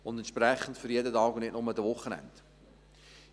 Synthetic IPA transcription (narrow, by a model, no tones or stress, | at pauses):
ʊndɛntʃprɛχːəntfʏɾjɛdətɑːɡʊnnɪtnʊmədəvʊχːənɛ̰nd